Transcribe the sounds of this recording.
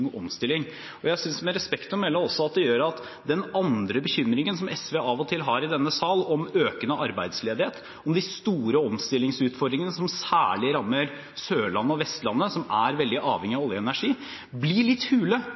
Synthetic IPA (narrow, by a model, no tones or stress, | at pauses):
ʔɔmst̪ɪlːɪŋ | ɔjæɪsʏnsmɛɾɛspɛkt̪ɔmɛlːɔmɔsːɔɑt̪̚d̪ɛjøːɾɑt̪ | d̪ɛnɑnd̪ɾəbəçʏmɾɪŋənsɔmʔɛsʋeːɑʋɔt̪ʰɪlɦɑɾɪd̪ɛnːəsɑlɔmøːkənəʔɑɾbæɪd̪sleːd̪ɪheːt̪ | ɔmd̪ɪst̪uːɾəɔmst̪ɪlːɪŋsʉːt̪fɔɖd̪ɾɪŋənəsɔmsæ̰ːɭɪɾɑmːəɾ | søːɭɑnːəɔʋɛst̪lɑnːəsɔmæɾʋɛld̪ɪʔɑːʋhɛŋɪɑʋɔljəɛnæʂiː | blɪɭɪt̪ːhʉːlə